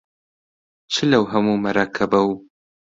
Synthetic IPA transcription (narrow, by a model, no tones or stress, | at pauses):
t͡ʃʰɨlɐwɦɐmumɐɾaːkʰɐbɐw